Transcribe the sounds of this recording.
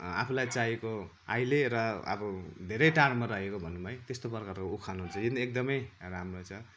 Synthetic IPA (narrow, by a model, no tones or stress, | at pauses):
a̰pʰulajt͡saeko | a̰jleɾʌʌ̰bʌd̪ʱeɾʌjʈarmaɾʌɦekobʱʌnːumaj̃t̪est̪oprkarkoukʰanɦunt͡sʰʌjinek̚d̪ʌmʌjramrot͡sʰʌ